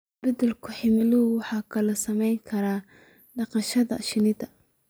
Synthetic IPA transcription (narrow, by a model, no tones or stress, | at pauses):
b̥ɐd̪ɐlkʰʊħɪmɪlʊwɑħɑːkʰɐlɐsɐmɛjŋkʰɐɾaː | ɖɑqɑʃɐðɐ̰ʃɪnɪd̪ɐ